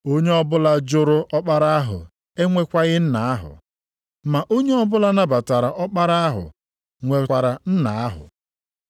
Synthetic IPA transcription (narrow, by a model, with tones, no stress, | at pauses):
o˦ɲe˦ɔ˦bʊ˦la˦d͡ʒʊ˦ɾʊ˦ɔ˦k͡pa˦ɾa˦a˦ɦʊ̰˨ | e˦ŋʷe˦kʷa˦ɣɪ˦n̩˦na˨a˦ɦʊ̰˨ | ma˨ʔo˦ɲe˦ɔ˦bʊ˦la˦na˦ba˨ta˨ɾa˨ʔɔ˦k͡pa˦ɾa˦a˦ɦʊ̰˨ | ŋʷe˨kʷa˨ɾa˨n̩˦na˨a˦ɦʊ̰˨